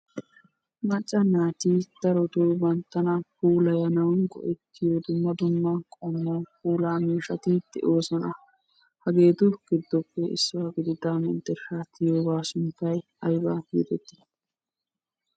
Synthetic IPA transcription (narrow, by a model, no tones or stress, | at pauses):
mɐt͡ʃʼːɐnaːt̪id̪̥ɐɾɔt̪oːbɐnt̪ːɐnɐpuːlɐjɐnɐwnɡɔ̰ʔɛt̪ːɪjod̪ʊmːɐd̪ʊmːɐkʼɔmːɔpuːlaːmiːʃɐt̪ɪd̪̥ɛ̰ʔo̞ːsɔnɐ | hɐɡe̞ːt̪ʊɡ̥ɪd̪ːɔpːɛɪ̰sːʊwaɡɪd̪ɪd̪amɪ̰nt̪ːɛɾʃaːt̪ːɪjoːbaːsʊnt̪ːɐj | ɐjbaːjḭt̪ɛt̪ːɪ